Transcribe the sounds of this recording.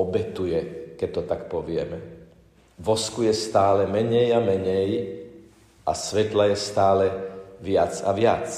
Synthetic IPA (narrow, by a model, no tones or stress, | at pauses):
ɔbɛt̪ujɛkɛc̚t̪ːɔt̪akpɔʋɪɛmɛ | ʋɔskujɛst̪aːlɛmɛɲɛjamɛɲɛj | ʔa̰sʋɛt̪lajɛst̪aːlɛʋɪat͡sa̰ʋɪat͡s